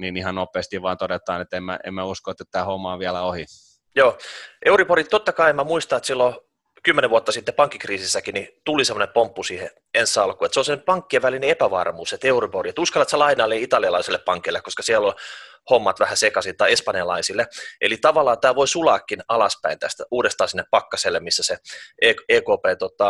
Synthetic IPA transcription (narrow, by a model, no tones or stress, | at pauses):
niːnihɑnnopˑeːst̪iʋʋɑːnt̪odet̪ˑɑːnet̪ːemːæ̰ḛmmæuskoet̪ːet̪t̪æːhomːɑːʋiælæohi | joːʔeuriporit̪t̪ot̪ːɑkɑiemæmuist̪ɑet̪silːo | kymːeneʋuɑt̪ːɑsit̪ːepɑŋkːikriːsisːækinit̪ulisemːˑonepompːusiːhḛ | ensːɑlkuet̪seolsemnepɑŋkːieʋælineepæʋɑ̰rmuːset̪euriporiet̪uskɑlːɑt̪sælɑinɑːlːeit̪ɑliɑlɑiselːeppɑŋkeilːekoskɑsiælːol | homːɑt̪ʋæhæsekɑsit̪ːɑiespɑnijɑlɑ̰isilːeʔḛlit̪ɑʋɑlːˑɑːt̪æːʋoisulɑːkːinɑlɑspæ̰int̪æ̰st̪æuːdest̪ɑːsinːeppɑkːɑselːemmisːæseeːkeːkoːpeːt̪ot̪ɑ